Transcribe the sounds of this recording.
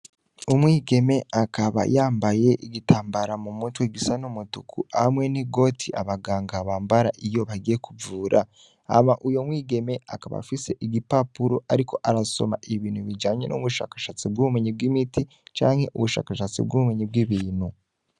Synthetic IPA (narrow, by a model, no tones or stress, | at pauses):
umwiːɡe̞me̞akaβa̰jaːmbaje̞ʔiɡitʰaːmbaɾamumutweɡisanumutukʰṵamwe̞niɡo̞tʰiʔaβaɡaːŋɡaβaːmbaɾaʔijo̞βaɡijekuvuːɾʔa | a̰maʔujo̞mwiːɡe̞me̞a̰kaβa̰fise̞ʔiɡipapuɾoʔaɾikʰo̞ʔaɾaso̞̰maʔiβiːnhuβid͡ʒaːɲe̞̰nʔṵβuʃa̰ːkḁʃat͡sib̚ɡuumeɲib̚ɡimiti | t͡ʃaːŋhe̞ʔuβuʃa̰ːkaʃat͡sḭb̚ɡuβumeɲib̚ɡiβiːn̥hu